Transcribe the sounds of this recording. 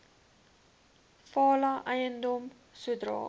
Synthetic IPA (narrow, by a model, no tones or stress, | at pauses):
fɑːlɐʔɛjəndɔm | suədrɑ̰ː